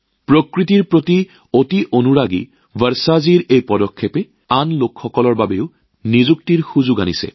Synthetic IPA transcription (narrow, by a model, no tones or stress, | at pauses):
pɹokɹitiɹpɹoti | otiʔonuɹaɡḭ | bəɹsaziɹejpɔdɔkʰːepɛ | anlokxɔkɔlɔɹbabeʊ | nizuk̚tiɹxuzuɡa̰nisɛ̰